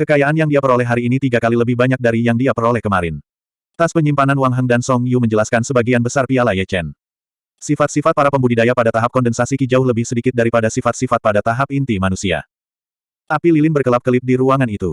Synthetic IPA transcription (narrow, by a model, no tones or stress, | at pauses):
kəkajaanjaŋdiapəɾolɛɦaɾiːnit̪iɡakaliləbɪhbaɲak̚daɾijaŋdiapəɾolɛhkəmaɾɪn | t̪aspəɲimpananwaŋɦəŋdansɔŋjuməɲd͡ʒəlaskansəbaɡianbəsarpialajɛt͡ʃɛn | sifat̪̚sifat̪̚paɾapəmbudidajapadat̪aɦap̚kɔndənsasikid͡ʒaʊhləbɪhsədikɪt̪̚daɾipadasifat̪sifat̪̚padat̪aɦap̚int̪imanusia̰ | t̪apililɪnbərkəlap̚kəlɪp̚diɾuaŋanit̪u